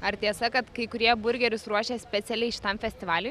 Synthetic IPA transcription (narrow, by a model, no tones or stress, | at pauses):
ɐɾt̪ʲiɛsɐkɐt̪kɐɪkʊɾʲiɛbʊɾʲɡʲɛɾʲʊsɾuɔʃʲeːsʲpʲɛt̪sʲɛlʲɛɪʃʲɪ̥t̪ɐmfʲɛsʲt̪ʲɪʋɑːlʲʊj